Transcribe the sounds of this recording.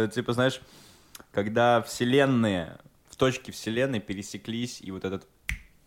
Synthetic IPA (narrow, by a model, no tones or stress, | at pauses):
tʲipəznajɪʂ | kɐɡd̪afsʲɪlʲe̞nːɨjə̰ | ft̪o̞t͡ɕkʲɪfsʲɪlʲe̞nːɨjəpʲɪɾʲɪsʲɪklʲisʲḭvo̞t̪ɛt̪ət̪